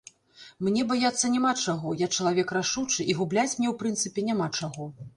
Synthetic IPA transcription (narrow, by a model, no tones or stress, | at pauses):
mnʲɛbajat̪sːɐnʲamat͡ʂaɣɔjakt͡ʂɐlˠavʲɛkraʂut͡ʂɨʔiɣublʲat͡sʲmnʲɛwpɾɨnt̪sɨpʲɛnʲamat͡ʂaɣɔ